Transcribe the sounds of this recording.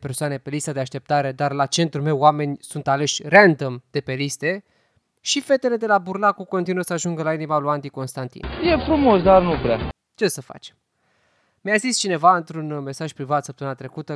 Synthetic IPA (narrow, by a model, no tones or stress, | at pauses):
pe̞rsoane̞pe̞list̪ad̪eaʃt̪e̞p̚t̪aɾe̞d̪arlat͡ʃe̞nt̪ɾume̞wame̞nʲsunt̪ale̞ʃʲreand̪əmd̪̥e̞pe̞list̪e̞ | ʃife̞t̪e̞le̞d̪e̞laburnakuko̞nt̪inuwəsəaʒuŋɡəlainimaluant̪iko̞nst̪ant̪ḭnje̞fɾumo̞sd̪arnupɾa | t͡ʃe̞səfa̰t͡ʃe̞̥m | mʲjazist͡ʃine̞vaɨnt̪ɾunme̞saʒpɾivat̪səpt̪əmɨnat̪ɾe̞kut̪ə